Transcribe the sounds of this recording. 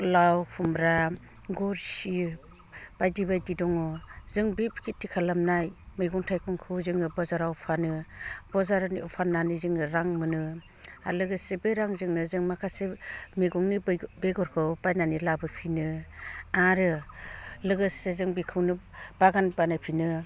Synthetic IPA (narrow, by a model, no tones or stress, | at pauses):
lawpʰumɾa | ɡɔɾsi | b̥ajdibajdidɔŋɔzɯŋbibkʰitʰːikʰalamnajmeɡɔŋtʰajkʰɔŋkʰɯwzɯŋɯbɔzaɾawpʰanɯb̥ɔzaɾaniɔpʰanːanizɯŋɯɾaŋmɯnɯ | alɯɡɯsebeɾaŋzɯŋnɯzɯŋmakʰasemeɡɔŋnibeɡɔɾkʰɯwbajnanilabɯpʰinɯ | aɾɯ | lɯɡɯsezɯŋbikʰɯwnɯ | b̥aɡanbanajpʰinɯ